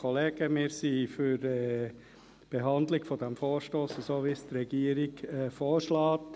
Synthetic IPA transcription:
ɔleːɡ̥əmɪːɾsifyɾɛ | b̥eɦɑnd̪lɪɡfɔd̥̪æmfoːɾʃtoːsəsoːʋist̪rɛɡ̥iəɾɪɡɛfoːɾʃlɑːt

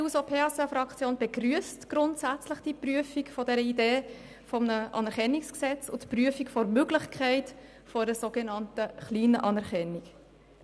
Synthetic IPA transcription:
iusopʰeːɑsəfɾɑkt͡sjoːnb̥eɡɾyəstɡ̥ɾʊntsæt͡sləχd̥ipryəfikfɔdɛɾəideː | fɔmnəʔɑ̰nɛɾkɛnːiksksɛt͡sʊtpryəfikfɔɾmøɡlɪχkʰæɪt | fɔɾəsoɡ̥ɛnɑntəχliːnəʔɑnɛɾkɛnːik

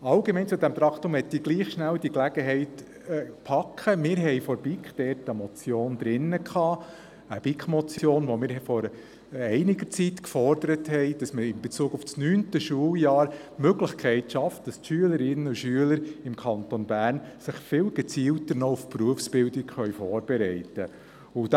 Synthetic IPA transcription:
ɑlɡemɛɪnt͡sud̪æmt̪ɾɑkχtʊmhɛtːiɡliːχʃnæld̥iklæɡəɦɛɪtː | pʰɑkʰχəmɪːɾɦɛɪfɔɾb̥ikχd̥ɛɾtəmɔt͡sjoːnd̪ɾɪnːəkʰχɑː | əb̥ikχmɔt͡sjoːnʋɔmɪːɾhɛfɔɾə | ɛɪnɪɡəɾt͡sitkfɔrd̥əɾəthɛɪd̥ɑsməɾɪmbeɛt͡suːɡʊfsnyːntəʃuəljɑːɾmøɡlɪχkʰɛɪtʃɑft̚d̥ɑstʃyələɾɪnːəʊʃyələɾɪmkʰɑntɔnbæːɾnsɪχfɪːlɡ̥ət͡siːltəɾnɔufpruəfsb̥ɪldɪkχœɥfɔːɾb̥ɛɾɛɪtə | ʊd

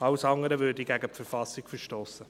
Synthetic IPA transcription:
ɑwsɑŋəɾəvøːdiɡæɡəpfəɾfɑsɪɡ̥fəɾʃtoːsə

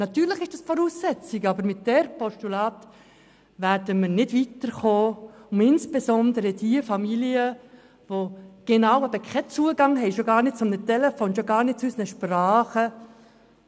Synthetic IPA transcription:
nɑt̪yːɾləχɪʃd̥ɑːsfɔɾuːsːɛt͡sɪɡɑbəɾmɪt̚d̥ɛɾpɔʃtulɑːt | væɾdəməɾnɪdvitəɾχoːʊmɪnsb̥esɔndəɾədiəfɑmiliə | voɡ̥enɑʊɛbəkʰɛt͡suəɡɑŋɦɛɪʃoɡɑːɾnɪd̚t͡sʊmnətɛlɛfoːnʃoɡɑːɾnɪd̥̚t͡sysənəʃprɑːχə

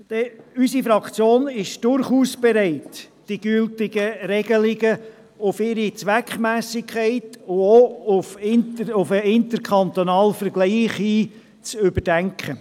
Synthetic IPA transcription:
d̪̥ɛysifɾɑkt͡sjoːnɪʃd̥ʊɾχuːsb̥ɛɾɛɪt | d̥iɡ̥ʏltɪɡəɾɛɡ̥əlɪɡə | ʊfɪɾit͡sʋækχmæːsɪkʰɛɪtʊoʊfɪntəʊfəɪnt̪əɾkʰχɑnt̪onɑːlfəɾɡ̥liːχiː | t͡sʏbəɾd̥æŋkχə

